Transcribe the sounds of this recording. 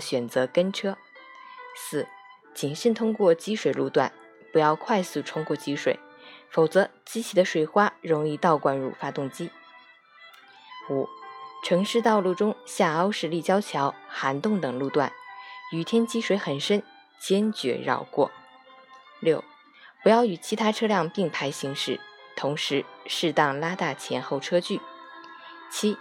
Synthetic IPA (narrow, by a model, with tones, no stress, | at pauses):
ɕɥɛ˨˩nt͡sɤ˧˥kə˥nʈ͡ʂʰɤ˥ | sɹ̩˥˩ | t͡ɕi˨˩nʂi˥nt̪ʰʊ˥ŋkwɔ˥˩t͡ɕi˥ʂwe˨˩ɪlu˥˧t̪wa̰˥˩n | pu˧˥jɑ˥˧ʊkʰwa˥˧ɪsu˥˩ʈ͡ʂʰʊ˥ŋkwɔ˥˩t͡ɕi˥ʂwḛ˨˧˩ɪ | fo˨˩ʊt͡sɤ˧˥t͡ɕi˥t͡ɕʰi˧˥˩d̪ə˧˦ʂwe˨˩ɪxwa˥ɻʊ˧˥ŋi˥˧t̪ɑ˥˩ʊkwa˥˧nɻṵ˥˩fa˥t̪ʊ˥˩ŋt͡ɕi˥ | u˨˩˦ʈ͡ʂʰɤ˧˥ŋʂɻ̩˥˧t̪ɑ˥˧ʊlu˥˩ʈ͡ʂʊ˥ŋɕja˥˩ɑ˥ʊʂɻ̩˥˧li˥˩t͡ɕjɑ˥ʊt͡ɕʰjɑ˧˥ʊxa˧˥nt̪ʊ˥˩ŋt̪ɤ˨˩ŋlu˥˧t̪wa̰˥˩ny˨˩t̪ʰjɛ˥nt͡ɕi˥ʂwe˧˥ɪxə˨˩nʂə˥n | t͡ɕjɛ˥nt͡ɕɥɛ̰˧˥ɻɑ̰˥˧ʊkwɔ̰˥˩ | ljo˥˩ʊ | pu˧˥jɑ˥˩ʊy˨˩t͡ɕʰi˧˥t̪ʰa˥ʈ͡ʂʰɤ˥ljɑ˥˧ŋpi˥˩ŋpʰa˥ɪɕi˧˥ŋʂɻ̩˥˩t̪ʰʊ˧˥ŋʂɻ̩˧˥ʂɻ̩˥˧t̪ɑ˥˩ŋla˥t̪a˥˩t͡ɕʰjɛ˧˥nxo˥˩ʊʈ͡ʂʰɤ˥t͡ɕy˥˩ | t͡ɕʰi˥